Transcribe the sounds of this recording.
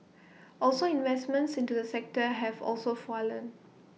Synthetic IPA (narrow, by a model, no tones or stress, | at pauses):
ʔɔlsoĩnvɛsmə̃ntsĩntudəsɛk̚təɦɛvɔ̰lsofɔlə̃n